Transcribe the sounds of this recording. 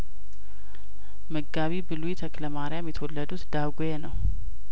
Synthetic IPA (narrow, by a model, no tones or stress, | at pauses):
məɡaβibɨlujit̪ʰəkləmaɾjamjɛt̪ʰəwɔlːəd̪ut̪d̪aɡojenəw